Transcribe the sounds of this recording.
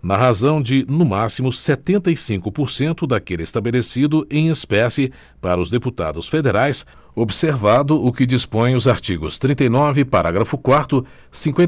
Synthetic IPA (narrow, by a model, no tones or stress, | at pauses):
nɐɦazɐ̃w̃d͡ʒɪnʊmasimʊset̪ẽnt̪ɐjsĩŋkʊpoɾsẽnt̪ʊd̪akelɪest̪abelesid̪ʊʔẽj̃espɛsɪ | paɾɐʊzd̪eput̪a̰d̪ʊsfed̪eɾajs | obseɾvad̪ʊʔʊkɪd͡ʒispõj̃ʊzaɾt͡ʃiɡʊ̰st̪ɾĩnt̪ejnɔvɪpaɾaɡɾɐfʊkwaɾt̪ʊ | sĩŋkwẽ